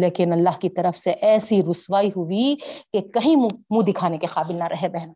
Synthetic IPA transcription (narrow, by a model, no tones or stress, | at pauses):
leːkɪnɐlːaːɦkit̪ɐɾəfseʔɛːsiɾʊsʋaːiɦʊʋikekɐɦĩmũmũd̪ɪkʰaːnekeqaːbɪlnɐɾʔɐɦebɛɦna